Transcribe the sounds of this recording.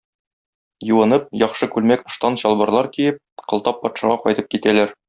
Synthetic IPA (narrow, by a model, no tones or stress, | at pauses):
jŭwɤ̆nɤp̚jɒχʃɤkʉlmækŏʃt̪ɑnɕɒlˠbɤ̆ɾlˠɑɾkijɘp̚qɤ̆lˠt̪ɑpːɒt̪ʃɑʁɑqɒjt̪ɤp̚kit̪ælæɾ